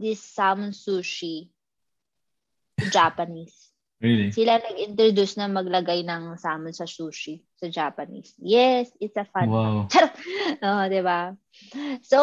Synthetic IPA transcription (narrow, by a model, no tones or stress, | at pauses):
d̪ɪsːaːmʊnsuːʃi | t̪ud͡ʒaːpɐniːs | silalɐɡɪ̃nt̪ɾod̪usnamɐɡlɐɡɐjnaŋsaːmənsɐsuːʃit̪ud͡ʒaːpɐnḭːsjɛsɪtsɐfɐwat͡ʃɐɾod̪eba | so